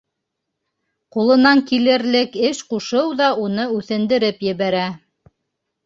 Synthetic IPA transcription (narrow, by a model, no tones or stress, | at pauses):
qulˠɤ̆nɑŋkilɘ̆ɾlɘkɘʃquʃɤwðɑunɤʉθɘ̆nd̪ɘ̆ɾɘpjɘ̆βæɾæ